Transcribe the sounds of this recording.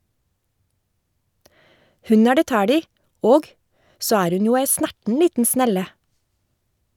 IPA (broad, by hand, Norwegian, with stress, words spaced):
ˈhʉn ˈæː ˈɖeː ˈtæːɽ ˈiː ˈoːɡ ˈsoː ˈæːɾ ˈʉn ˈjuː ˈæɪ ˈsnæʈn̩ ˈliːtn̩ ˈsnɛlə